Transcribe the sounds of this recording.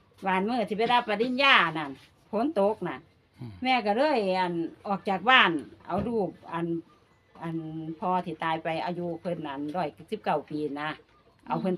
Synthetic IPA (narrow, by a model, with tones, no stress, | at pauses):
baː˧˩˨nmɯː˧˩t̪ʰiː˧˩pa˧˨da˧pːa˧di˧˥˨njaː˧˨na˧˩˨n | pʰo˧˥˨nt̪o˧˦k̚na˧˨ | mɛː˧˥ka˧˩lɤː˧˥˨jʔa˧˨˩nʔɔː˨˩k̚t͡ɕaː˨˩k̚baː˧˥˨nʔa̰˧˩wduː˧˩p̚ʔa˨n | ʔa˨npʰɔː˧t̪ʰiː˧˩t̪aː˧jpa˨jʔa˧juː˧pʰɤ˧˥˨nʔa˧˨nɾɔː˧˩jk̚si˧˦p̚ka˧˩wpiː˨˧na˧˥ | ʔa˧˨wpʰɤ˧˨n